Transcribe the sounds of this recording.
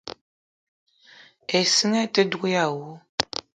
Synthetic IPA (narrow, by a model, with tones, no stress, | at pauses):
e˨sə˦ŋɛ˦tə˦dɡʷu˦ja˦˨wu˦